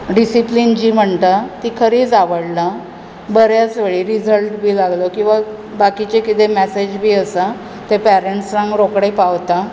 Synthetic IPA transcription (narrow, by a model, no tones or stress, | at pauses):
ɖisiplind͡ʑiːm̤əɳt̪at̪ikʰəɾiːd͡zaʋəɽla | bəɾjasʋeɭiːɾid͡zʱəlʈbʱiːlaɡlokĩw̃ʋa | bakit͡ɕekit̪emɛsed͡ʑbʱiːəsa | t̪epæɾeɳʈsɾãŋɡɾokɽepawt̪a